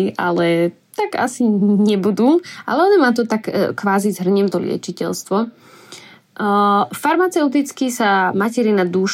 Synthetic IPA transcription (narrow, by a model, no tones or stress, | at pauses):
ʔa̰lɛ | t̪aɡa̰siɲɛbud̪uːʔa̰lɛɔnɛmaːt̪̬ɔt̪akkʋaːzizɦr̩ɲɛmt̪ɔlɪɛ̰t͡ʃicɛ̰lst̪ʋɔ | faɾmat͡sɛʊt̪̬it͡skisamacɛɾinad̪uːʃ